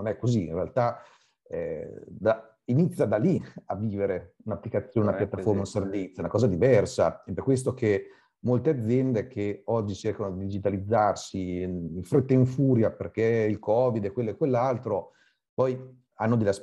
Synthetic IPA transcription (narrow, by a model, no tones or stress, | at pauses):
nonɛkːoziḭnrealt̪a | ɛ̰d̪a | init̪sjad̪aliavːiːveɾeunapːlikat̪sːjoːnɛunapjat̪ːaformaunservit̪sjoɛunakɔːzad̪ivɛrsaɛperkːwes̬t̪ok̟e | molt̪ead̪zːjɛnd̪ek̟ʰeɔd͡ʒːit͡ʃerkanod̪id̪id͡ʒit̪alid̪zːarsiiɱfɾet̪ːeiɱfuːɾjaperkeilkɔːvid̪ekwelːoekːwelːalt̪ɾo | pɔj | anːod̪eleas